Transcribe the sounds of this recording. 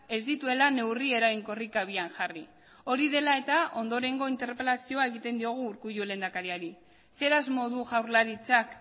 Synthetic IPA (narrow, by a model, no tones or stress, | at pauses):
e̞zd̪it̪ue̞lane̞wrie̞ɾajŋko̞rikaβ̞ianʝari | o̞ɾiðe̞lae̞t̪aʔo̞nd̪o̞ɾe̞ŋɡo̞int̪e̞ɾpe̞lasio̞ae̞ɣit̪e̞nd̪io̞ɣ̞uːɾkujule̞ːnd̪akaɾiaɾi | se̞ɾazmo̞ðuʝawɾlaɾit͡sak